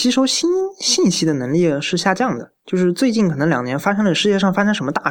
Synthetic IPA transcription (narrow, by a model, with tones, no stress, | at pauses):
t͡ɕi˧˥ʂo˧˥ʊɕi˥nɕi˥˩nɕi˥d̪ə˨nɤ˧˥ŋli˥˩ʂɻ̩˥˧ɕja˥˧t͡ɕjɑ˥˩ŋd̪ə˩t͡ɕjo˥˧ʊʂɻ̩˥˧t͡swe˥˧ɪt͡ɕi˥˩nkʰɤ˨˩nɤ˧˥ŋljɑ˨˩ŋnjɛ˧˥nfa˥ʂɤ˥lə˧ʂɻ̩˥˧jɛ˥˧ʂɑ˥˩ŋfa˥ʂə˥ʂə˧˥mə˧t̪a˥˩